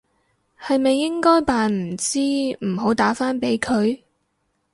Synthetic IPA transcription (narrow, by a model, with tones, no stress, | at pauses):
hɐ˨jmɐ˨jːɪ˥ŋkɔː˥jpaː˨nm̩˨˩t͡siː˥m̩˨˩ɦo˨˥wt̪aː˨˥faː˥npe˨˧˥jkʰɵ˨˧ɥ